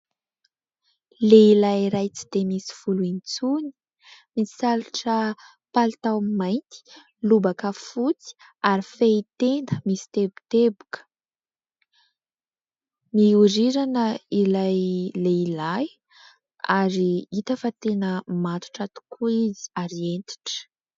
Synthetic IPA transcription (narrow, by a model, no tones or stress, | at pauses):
leilajɾajt͡si̥d̪̥emisi̥fuluint͡suni̥ | misaluʈ͡ʂə | palit̪awmajnt̪i̥ | lubakəfut͡si̥ | aɾifeit̪end̪əmisi̥t̪ebu̥t̪ebu̥kə̥ | miuɾiɾanəilajleilaj | aɾiit̪əfat̪enəmant̪u̥ʈ͡ʂat̪u̥kʰuizi̥aɾient̪i̥ʈ͡ʂə̥